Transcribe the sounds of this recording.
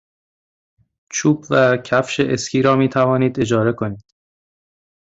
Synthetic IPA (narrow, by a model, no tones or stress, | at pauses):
t͡ʃʰuːbvæcʰæfʃeʔescʰiːɾɒːmiːt̪ʰævɒːniːd̪e̞d͡ʒɒːɾe̞kʰo̞niːd̪̥